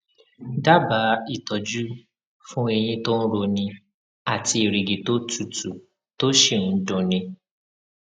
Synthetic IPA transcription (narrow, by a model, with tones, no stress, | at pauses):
da˦ba˨˦i˦˨tɔ˨d͡ʒu˦ | fũ˦e˧j̃ĩ˧to˦n̩˦ɾo˧nĩ˧ | a˦˨ti˧e˨ɾi˨ɡi˨to˦tu˦˨tu˨ | to˦ʃe˦˨ñ̩˨˦dũ˨˧nĩ˧